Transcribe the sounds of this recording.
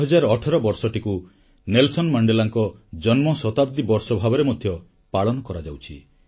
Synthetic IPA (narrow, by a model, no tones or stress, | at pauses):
ɦɔd͡ʒaɾɔːʈʰɔɾɔbɔɾsɔʈiku | nelsɔnmaɳɖelaŋkɔd͡ʒɔnmɔsɔt̪abd̪ibɔɾsɔbʱabɔɾemɔd̪ʱːjɔ | paɭɔnɔkɔɾad͡ʒawt͡ʃʰi